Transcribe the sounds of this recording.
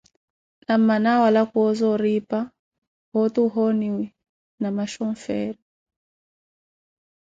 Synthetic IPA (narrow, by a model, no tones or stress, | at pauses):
nam̩manawalakwɔzɔɾipa | hɔtuɦɔniwi | namaʃɔɱfɛɾi